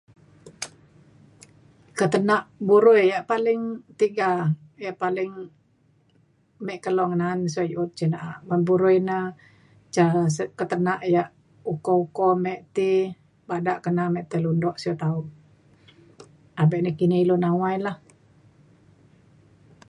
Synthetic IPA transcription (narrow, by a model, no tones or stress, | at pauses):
kət̪ənaʔbuɾujjaʔpalɪŋt̪iɡa | jaʔpalɪŋ | mɛʔkəlɔŋənansajut̪̚t͡ʃənaʔaʔbanbuɾujna | t͡ʃasəkət̪ənaʔjaʔ | ukɔukɔmɛʔt̪i | badaʔkənamɛʔt̪əlundɔʔsot̪au | abɛʔnəkinilunawailah